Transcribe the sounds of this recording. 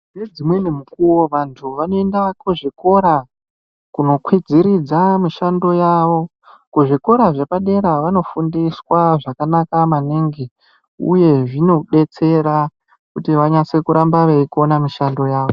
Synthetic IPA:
ned͡zimwe̞nemukuwoʋantʰuʋano̞endakuʐiko̞ɾa | kuno̞kwid͡ziɾid͡zamiʃando̞jaːʋo̞ | kuʐiko̞ɾaʐepaɗe̞ɾaʋano̞fundiswaʐakanakamaniŋɡi | ṵje̞ʐino̞ɗe̞t͡se̞ɾa | kutiʋaɲase̞kuɾambaʋeikonamiʃando̞jaːʋo̞

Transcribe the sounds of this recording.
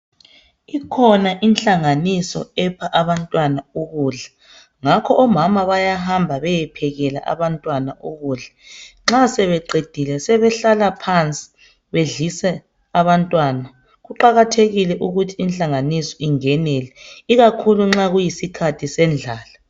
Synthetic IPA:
ikʰɔnaʔinɬʼaŋanisɔ̰ɛpʰaʔaβantʼwanauɣuːɮa | ŋakʰɔʔɔmamaβajaɦambʱaβɛjɛpʰɛɣɛla̰ʔa̰βantʼwanaʔuɣuːɮaŋ͡ǁasɛβɛǃed̥ʱilɛsɛβɛɬalapʰant͡sʼi̥ | βeɮisɛ | aβantʼwana | ɣuǃaɣatʰeɣilɛʔuɣutʰiinɬaŋanisɔ̥iŋɛnɛlɛiɣakʰuluŋ͡ǁaɣujisikʰatʰisɛnd͡ɮʱaːla

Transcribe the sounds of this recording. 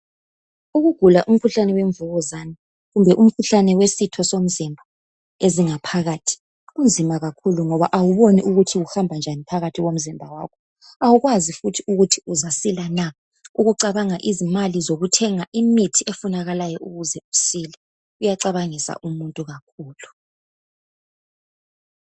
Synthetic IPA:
uɣuɡ̥ʱulaʔum̩kʰuɬanɛweɱvuɣɔzani | ɣumbʱɛʔum̩kʰuɬanɛwesitʰɔsom̩zimbʱa | eziŋapʰaɣaːtʰi̥ | ɣund͡zʱimaɣakʰuluŋɔβaʔawuβoniʔuɣutʰiɣuhambʱand͡ʒʱanipʰaɣatʰiɣom̩zimbʱawa̰ːkʰɔ | awuɣwazifutʰiuɣutʰiuzasilana | uɣuǀaβaŋaʔizimalizoɣutʰɛŋaʔimitʰiʔefunaɣalajɔʔuɣuzɛusilɛ | ujaǀaβaŋisa̰ʔumuntʼuɣakʰuːlu

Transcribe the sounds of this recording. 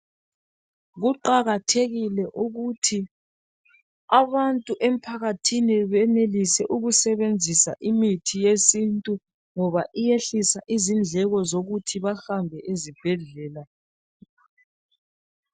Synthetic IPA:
ɣuǃaɣatʰeɣilɛʔuɣutʰi | aβantʼuʔem̩pʰaɣatʰiniβɛnelisɛʔuɣusɛβend͡zʱisa̰ʔimitʰijesintʼu | ŋɔβaʔijeɬisaʔizind͡ɮʱɛɣɔzoɣutʰiβahambʱɛʔezib̥ʱɛɮɛːla

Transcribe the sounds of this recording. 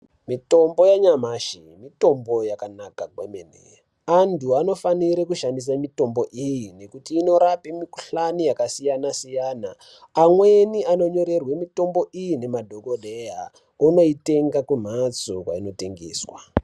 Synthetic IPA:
mito̞mbo̞jaɲamaʃimito̞mbo̞jakanakakwemenḛ | antuano̞faniɾekuʃandis̬amito̞mbo̞ʔijine̞kutiːno̞ɾapemikuɬanijakasijanasijaːnaː | mwe̞niano̞ɲo̞ɾe̞rwemito̞mbo̞ʔijine̞madʱokoɗeja̰ | uno̞ite̞ŋɡakum̤at͡sokwa̰ino̞te̞ŋɡeːswa̰

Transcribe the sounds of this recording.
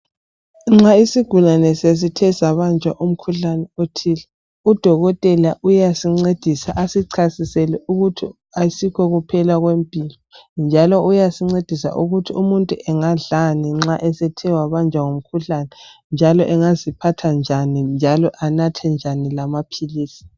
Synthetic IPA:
ŋ͡ǁaisiɡ̥ʱulanɛses̬itʰɛsaβand͡ʒʱaʔum̩kʰuɬanɛotʰilɛ | ud̥ʱɔɣɔtʼɛlaʔujasiŋ͡ǀed̥ʱisaʔasiǀʰasisɛlɛʔuɣutʰi | asikʰɔɣupʰɛlaɣwempʼilɔnd͡ʒʱalɔujasiŋ͡ǀed̥ʱisa̰ʔuɣutʰiumuntʼuʔɛŋaɮaniŋ͡ǁaʔɛsɛtʰɛwaβand͡ʒʱaŋom̩kʰuɬanɛ | nd͡ʒʱalɔʔɛŋazipʰatʰand͡ʒʱanind͡ʒʱalɔʔanatʰɛnd͡ʒʱanilamapʰiliːsi̥

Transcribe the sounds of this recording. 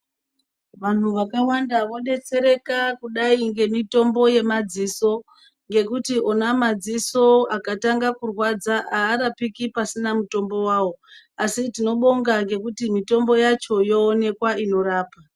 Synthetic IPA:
ʋan̤uʋakawandaʋo̞ɗe̞t͡se̞ɾe̞kakuɗaiŋɡe̞mito̞mbo̞je̞mad͡ziso̞ | ŋɡe̞kutiʔo̞namad͡ziso̞akataŋɡakurwad͡zaʔaːɾapikipasinamuto̞mbo̞waːwo̞ | asitino̞ɓo̞ŋɡaŋɡe̞kutimito̞mbo̞jat͡ʃo̞jo̞ːne̞kwaino̞ɾaːpa

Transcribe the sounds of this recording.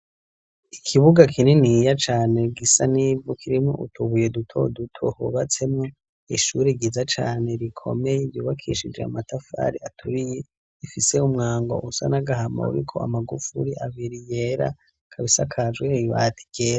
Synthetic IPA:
ikʰiβuɡakʰininijat͡ʃaːne̞ɡisanivokʰiɾimŋo̰ʔṵtʰuβujedutʰo̰dutʰo̰hoβat͡se̞mŋo | iʃuɾeɡizat͡ʃa̰ːne̞ɾikʰo̞̰me̞jevjuːβakʰḭʃid͡ʒe̞̰a̰matafa̰ɾiatʰuɾije | ifise̞umŋaːŋɡo̰ʔusa̰naɡaɦama̰ṵɾikʰo̞̰a̰maɡufṵɾiʔaβiɾijeɾa̰ | kʰaβisakʰad͡ʒɡweiβatʰi̥ɡ̥eːɾa

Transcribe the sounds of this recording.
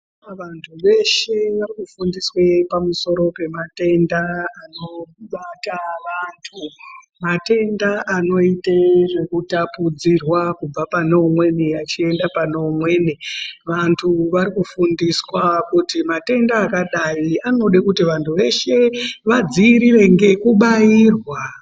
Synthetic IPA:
ʋantʰuʋe̞ʃe̞ʋarikufundiswepamuso̞ɾo̞pe̞mate̞ndaːno̞ɓataʋantʰu | mate̞ndaʔano̞iteʐe̞kutapud͡zirwakub͡vapanomwe̞niat͡ʃie̞ndapano̞ːmwe̞ːniʋantʰuʋaɾikufundiswakutimate̞ndaːkaɗaianoɗekutiʋantʰuʋe̞ʃe̞ʋad͡ziːɾire̞ŋɡe̞kuɓairwa

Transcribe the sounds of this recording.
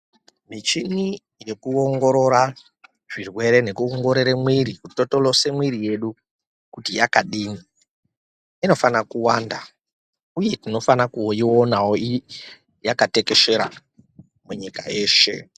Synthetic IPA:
mit͡ʃini | je̞kuoŋɡo̞ɾo̞ɾa | ʐ̥irwe̞ɾe̞ne̞kuoŋɡo̞ɾeɾemwiɾikuti̥to̞tolo̞se̞mwiɾije̞ɗu | kutijakaɗiːni | ino̞fanakuwaːnda | uje̞tino̞fanakuionawoi | jakate̞ke̞ʃe̞ɾa | muɲikae̞ːʃe̞̰

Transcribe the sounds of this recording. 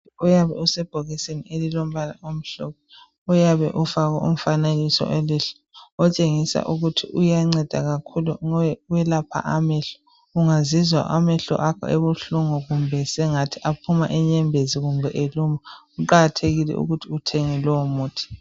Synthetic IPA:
ujaβɛusɛb̥ʱoɣisenielilom̩βala̰ʔom̩ɬɔk̚ʰɔ | ujaβɛ̰ʔufaɣaṵm̩faneɣisɔ̰ʔeliɬɛ̥ | ɔt͡ʃʼeŋisa̰ʔuɣutʰḭʔujaŋ͡ǀɛd̥ʱa̰ɣakʰuluŋɛwɛlapʰa̰ʔamɛɬɔ | uŋazizwa̰ʔamɛɬɔ̰ʔakʰɔ̰ʔeβuɬuŋuɣumbʱɛsɛŋatʰiʔapʰuma̰ʔɛɲɛmbʱeziɣumbʱɛʔeluma | uǃaɣatʰeɣilɛ̰ʔṵɣutʰiutʰeŋɛlɔwɔmuːtʰi̥

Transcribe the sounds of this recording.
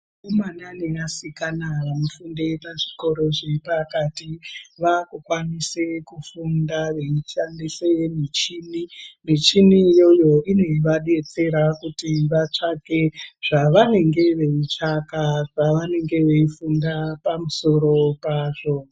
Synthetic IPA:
komananijasikanaʋamufundepaʐiko̞ɾo̞ʐepakatiʋakukwanisekufundaʋe̞iʃandisemit͡ʃinimit͡ʃinijo̞jo̞ine̞iʋaɗe̞t͡se̞ɾakutiʋat͡ʂake̞ʐ̥aʋane̞ŋɡe̞ʋe̞it͡ʂakaʐaʋane̞ŋɡe̞ʋe̞ifundapamuso̞ɾo̞paʐo̞

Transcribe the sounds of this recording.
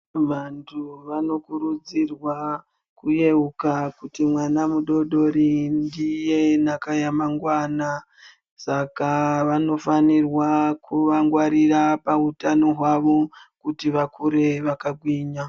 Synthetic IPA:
ʋantʰuʋano̞kuɾud͡zirwa | kuje̞ukakutimwanamuɗo̞ɗo̞ɾindije̞nakajamaŋɡwaːna | sakaʋano̞fanirwakʰuʋaŋɡwaɾirapautanoɦwaʋo̞kutiʋakuɾe̞ʋakaɡʱwiːɲa

